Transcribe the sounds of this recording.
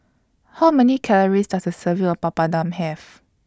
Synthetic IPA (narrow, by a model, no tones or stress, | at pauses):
hawmɛnikʰɛləɹistasdəsəviɔfpapadãmhɛf